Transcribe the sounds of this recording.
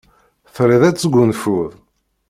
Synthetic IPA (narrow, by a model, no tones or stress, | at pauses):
θɾiðæt͡sːəɡʷːunfuðˤ